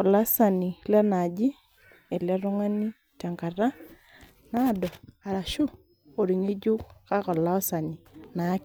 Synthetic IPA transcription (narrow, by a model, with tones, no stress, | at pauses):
kɔ˨la˦sa˨ni˨lɛ˦na˨d͡ʒi˦ | e˨lɛ˦ɾʊ˦ŋa˦ni˦ | tɛ˨ŋka˨ra˦ | na˦˨dɔ˨a˨ɾa˨ʃu˦ | o˨ɾi˨ɲi˦d͡ʒu˦kka˦kɔ˨la˦ɔ˦sa˨ni˨na˨˦k